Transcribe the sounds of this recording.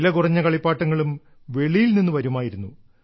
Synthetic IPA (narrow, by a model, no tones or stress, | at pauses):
lɐkurɐɲːɐkɐɭipːaːʈːɐŋːɐɭum | ʋe̞ɭijilninːɨʋɐɾumaːjiɾunːu